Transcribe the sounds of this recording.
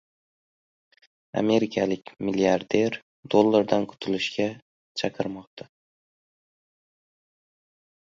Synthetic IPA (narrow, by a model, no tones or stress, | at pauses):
a̰me̞ɾɪkʲʰalɪkʲmɪliaɾd̪e̞ɾ | d̪olˠːaɾd̪ankʰʊ̥t̪ʰʊlɪʃɡʲa | t͡ʃʰaqʰɨɾmɒq̚t̪ʰa